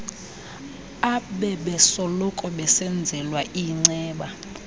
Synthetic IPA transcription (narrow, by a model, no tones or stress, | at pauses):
aɓɛɓɛsɔlɔkʼɔɓɛsɛnd͡zʱɛlwaʔiŋ͡ǀɛːɓa